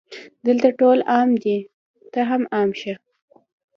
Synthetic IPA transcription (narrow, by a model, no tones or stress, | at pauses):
d̪əlt̪aʈolɑmd̪i | t̪əɦamɑmʃi